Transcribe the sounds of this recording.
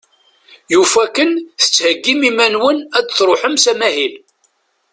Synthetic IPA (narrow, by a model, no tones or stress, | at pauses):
jufækənθə̥t͡sːhəɡːimimænwənædθɾˤoħəmsæmæhil